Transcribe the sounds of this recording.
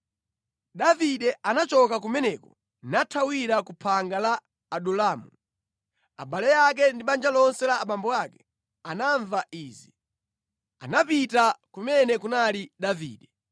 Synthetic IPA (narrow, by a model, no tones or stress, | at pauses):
ɗaviɗɛʔanat͡ʃɔkak̬umɛnɛkɔ | natʰawiɾakupʰaŋɡalaː | ɗulaːmu | a̰ɓalɛjak̬ɛndiɓand͡ʒalɔnsɛlaːɓambɔakɛ | anaɱvaʔiːzi | a̰napitakumɛnɛkunaliɗavḭːɗɛ